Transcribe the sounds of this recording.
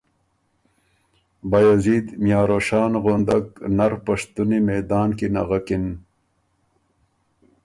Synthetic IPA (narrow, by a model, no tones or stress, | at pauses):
bajaziːd̪mjaːɾoʂaːnɣond̪ɐknɐɾpɐʂt̪unimeːd̪aːnkina̰ɣakin